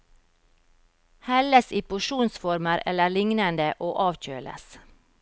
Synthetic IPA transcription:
hɛləsiːpʊʃuːnsfɔɾməɾʔɛ̰ləɭɪŋnənd̪əʔoːʔɑːʋc͡çø̰ːlʔə̰s

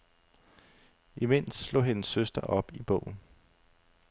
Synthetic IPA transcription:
ime̝n̰sslo̰ːɦenəsːøsd̥ɐʔɒ̽b̥ib̥ɔ̰̽ʊ̰n̩

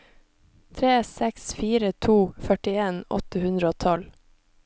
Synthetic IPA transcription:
t̪ʰɾeːsɛksfiːɾət̪ʰuːfœʈɪeːnɔ̰t̪əhʉnd̪ɾəoːt̪ʰɔl

